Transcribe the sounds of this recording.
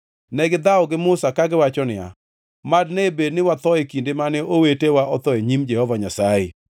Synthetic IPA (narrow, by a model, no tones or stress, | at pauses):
nɛɡɪd̪aɔɡɪmʊsakaɡɪwat͡ʃɔnɪja̰ | madnebednɪwat̪ɔekindemanɛʔowetewaʔɔt̪ɔeɲimd͡ʒɛhɔvaɲasaje